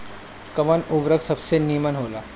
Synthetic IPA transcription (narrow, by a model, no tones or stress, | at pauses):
kəʋənubɾəɡsəbsenimənɦola